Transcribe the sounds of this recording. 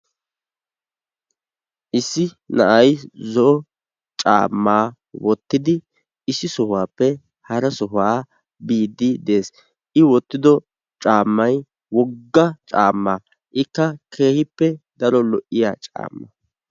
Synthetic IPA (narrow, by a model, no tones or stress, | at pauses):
ʔɪsːɪ | nɐ̰ʔɐjzɔɔ | t͡ʃʼa̰ːmːaː | wɔt̪ːɪd̪ɪ | ɪsɪsɔhwaːpːɛ | hɐɾɐsɔɦaː | biːd̪ːɪd̪e̞ːs | ʔɪwɔt̪ːɪd̪ɔ | t͡ʃʼaːmːɐj | wɔɡːɐt͡ʃʼaːmːaː | ʔɪkːɐkʰe̞ːhɪpːɛd̪ɐɾɔlɔʔɪjat͡ʃʼa̰ːmːɐ